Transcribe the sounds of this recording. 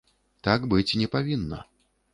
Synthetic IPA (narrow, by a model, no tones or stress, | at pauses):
t̪aɡbɨt͡sʲinʲɛpavʲinːɐ̰